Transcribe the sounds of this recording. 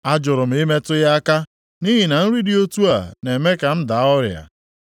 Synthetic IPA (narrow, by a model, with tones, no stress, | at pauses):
a˦d͡ʒʊ˨ɾʊ˨m̩˨˦ɪ˦me˦tʊ˦ja˦a˦ka˦ | ni˦ɦi˨na˨n̩˦ɾi˦di˦o˦tu˦a˨ne˨me˦ka˨m̩˦da˨˦ʊ˦ɾja̰˨